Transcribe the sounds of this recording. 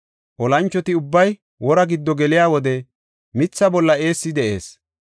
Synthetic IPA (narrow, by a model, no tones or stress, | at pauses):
ʔɔlɐnt͡ʃːɔt̪ɪʊbːɐj | wɔɾɐɡɪd̪ːɔɡɛlɪjaːwɔd̪ɛ | mɪt͡sːɐbɔlːɐe̞ːsːɪd̪ɛʔe̞ːs